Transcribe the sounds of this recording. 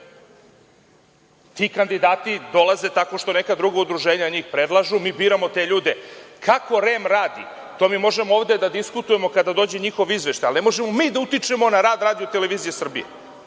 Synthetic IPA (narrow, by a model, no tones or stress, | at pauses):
t̪iːkand̪id̪aːt̪id̪o̞lˠaze̞t̪ako̞ʃt̪o̞ne̞kad̪ɾuɡaud̪ɾuʒeːɲaɲiːxpɾed̪lˠaʒumiːbiːɾamo̞t̪e̞ʎuːd̪ekʰako̞ɾemɾaːd̪ḭ | t̪oːmimo̞ʒemooːʋd̪e̞d̪ad̪iskut̪uje̞mo̞kad̪ad̪o̞ːd͡ʑe̞ɲixo̞ʋizʋe̞ʃt̪ajalnemo̞ʒemo̞miːd̪aut̪it͡ʃe̞mo̞naɾaːd̪ɾaːd̪ijo̞t̪eleʋiːzijesr̩bḭjḛ